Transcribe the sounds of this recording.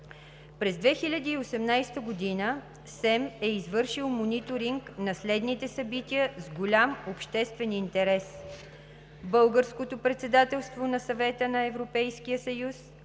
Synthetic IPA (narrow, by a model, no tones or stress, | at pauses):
pɾɛzd̪vɛxilʲəd̪iːosɛmnajst̪əɡod̪inə | sɛmɛizvɤɾʃilˠmonit̪oɾiŋknɐslɛd̪nit̪ɛsɐbit̪iəzɡolʲamopʃt̪ɛst̪vɛnint̪ɛɾɛs | bɤlˠɡəɾskot̪opɾɛt̪sɛd̪at̪ɛlˠst̪vonɐsɐvɛt̪ənɐɛvɾopɛjskijəsɐjus